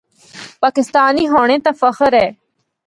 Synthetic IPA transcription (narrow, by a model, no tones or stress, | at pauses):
paːkɪst̪aːniːɦoːɽ̃ẽːt̪ãːfəxəɾɛː